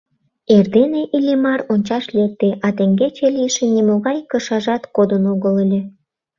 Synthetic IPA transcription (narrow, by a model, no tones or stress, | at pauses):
erd̪eneʔilʲemɑronʲt͡ɕɑʃlʲek̚t̪eʔɑt̪eŋɡet͡ɕelijʃĕnʲimoɣɑjkəʃɑʒɑt̪kod̪ənoɣəlelʲe